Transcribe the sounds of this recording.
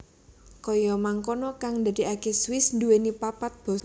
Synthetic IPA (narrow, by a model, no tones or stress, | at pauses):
kɔjɔmaŋkonɔkaŋd̪a̤d̪̥i̤akɛswɪsnd̪uwenipapat̪̚b̥ɔ̤